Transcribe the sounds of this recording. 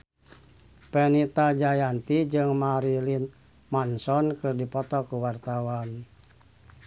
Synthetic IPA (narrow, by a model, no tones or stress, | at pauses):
pɛnit̪ad͡ʒajant̪id͡ʒɨŋmaɾilin | mansɔnkɨrdipɔt̪ɔkuwart̪awan